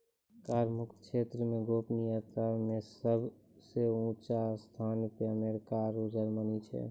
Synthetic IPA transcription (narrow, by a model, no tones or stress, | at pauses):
kaːɾmʊkt̪kʃeːt̪ɾəmẽɡoːpnijaːt̪ɾamẽsəbʱ | seũːt͡ʃast̪ʰaːnɪkameɾkaːɾod͡ʒəɾmənit͡ʃʰɛ̰